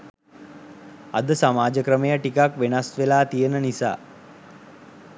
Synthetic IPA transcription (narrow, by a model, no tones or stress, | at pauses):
a̰d̪əsamaːd͡ʒəkɾəməjəʈikakʋenasʋelaːt̪ijənənisa̰ː